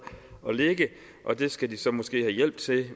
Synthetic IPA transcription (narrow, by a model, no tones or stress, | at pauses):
ɒ̽leɡ̥ə | ʔɒ̽d̥e̝sɡ̥æd̥isɒ̽mɒsɡ̥e̝̰ːhæjel̰b̥d̥t͡sʰe̝